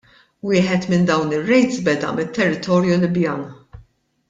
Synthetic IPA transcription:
wɪːħɛt̪mɪnd̪ɐwnɪrːɛjt̪sbɛd̪ɐ̰mɪt̪ʰːɛrːɪt̪ɔːɾjulɪbjɐːn

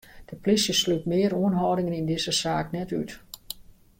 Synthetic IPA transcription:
d̥əplisjəslytmɪəɾuənɦɔːdɪŋənindɪzəsaːknɛtyt

